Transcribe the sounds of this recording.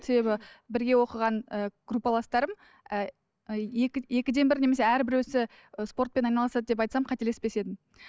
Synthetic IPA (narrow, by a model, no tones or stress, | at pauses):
se̞be̞bɪbɪɾɡʲe̞wo̞qəʁɑnəɡ̥rupːalˠɑst̪ɑɾəm | ə | ekʲje̞kʲɪd̪e̞nbɪɾne̞me̞seæɾbɪɾwɵsɪ | əspo̞rt̪̚pe̞nɑjnɑlˠɑsɑd̪əd̪ep̬ɑjt̪sɑmqʰɑt̪e̞lespbe̞se̞d̪ɪm